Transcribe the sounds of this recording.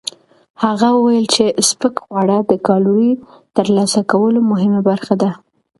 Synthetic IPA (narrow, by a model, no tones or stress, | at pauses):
haɣawəwajəlt͡ʃespəkɣwaɽad̪əkɑluɾit̪əɾlɑsakawəlomʊɦɪmabaɾxad̪a